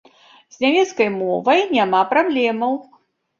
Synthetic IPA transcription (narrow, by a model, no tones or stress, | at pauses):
z̥ʲnʲamʲɛt̪skɐjmɔvɐjnʲamapɾablʲɛmɐw